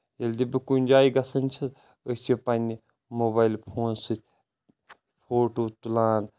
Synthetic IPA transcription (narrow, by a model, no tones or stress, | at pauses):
elʲd̪ibɨkunʲd͡ʒaːiɡɐsɐnʲt͡ʃʰis | ət͡ʃʰipɐnʲi | moːbaːilpʰoːnsɨt̪ʲʰ | pʰoːʈoːt̪ulaːn